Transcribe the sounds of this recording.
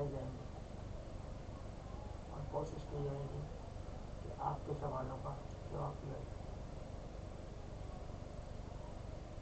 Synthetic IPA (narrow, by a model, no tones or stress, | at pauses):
id͡ʒaːẽːŋɡiː | ɔ̰ːɾkoːʃɪʃkəiaeɡi | kḛʔaːp̚kesɐʋaːlõkakjõːaːpiɦa